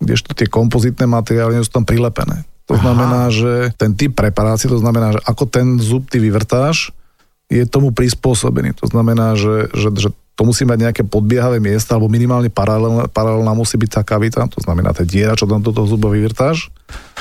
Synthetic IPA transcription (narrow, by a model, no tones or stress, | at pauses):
ɡɟɛ̰ʃt̪ɔ̥t̪ɪɛkɔmpɔzit̪nɛːmat̪ɛɾɪaːliɲɛs̬u̥ːt̪ampɾilɛpɛ̰nɛ̰ːt̪ɔznamɛnaːʒɛt̪ɛnt̪ip̚ːɾɛpaɾaːt͡siɛt̪ɔznamɛnaːʒɛʔakɔt̪ɛnzup̚t̪iːʋiʋɾt̪aːʃ | jɛt̪ɔmupɾispʊɔsɔ̰bɛ̰nḭːt̪ɔ̰znamɛnaːʒɛʒɛʒɛt̪ɔmusiːɛmaɟɲɛakɛːpɔd̪̚bɪɛɦaʋɛːmɪɛst̪aalɛbɔminimaːlɲɛpaɾalɛpaɾalɛlnaːmusiːbicʲt̪aːkaʋit̪at̪ɔznamɛ̰nʔa̰ːt̪ɛnɟɪɛɾat͡ʃɔt̪amd̪ɔt̪̬ɔɦɔzubaʋiʋrt̪aːʃ